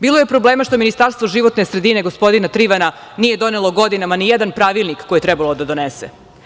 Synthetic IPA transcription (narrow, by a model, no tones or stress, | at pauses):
biːlˠo̞je̞pɾo̞bleːmaʃt̪o̞minist̪aɾst̪ʋoʒiʋo̞t̪ne̞sɾed̪ine̞ɡo̞spo̞d̪inat̪ɾiʋananije̞d̪o̞nelo̞ɡod̪inamanijɛd̪anpɾaʋilˠnikkːo̞jet̪ɾɛbalod̪ad̪o̞nesḛ